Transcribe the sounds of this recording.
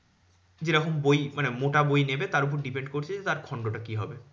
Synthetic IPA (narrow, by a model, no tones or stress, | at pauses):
d͡ʑeɾɔkombojmanemoʈabojnebet̪aɾup̬oɾɖipeɳɖkoɾt͡ɕʰed͡ʑet̪aɾkʰɔɳɖoʈakiɦɔbe